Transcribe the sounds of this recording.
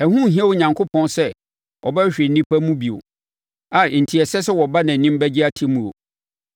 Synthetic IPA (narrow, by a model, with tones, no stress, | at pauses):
ɛ˨hũ˦˨ɦĩ˦ɛ˦wo˦ɲã˨ŋkʰo˦pʰɔ̃˦nsɛ˦ | ʔɔ̰˨bɛ˦ɕᶣɪ˨n̩˦nĩ˦pʰa˦mũ˦bi˨o̰˨ | a˨n̩˨tʰi˨ɛ˨sɛ˦sɛ˦wɔ˨ba˦nã˨nĩ˦m˦bɛ˦d͡ʑɪ˦a˦tʰi˦mũ˨o̰˨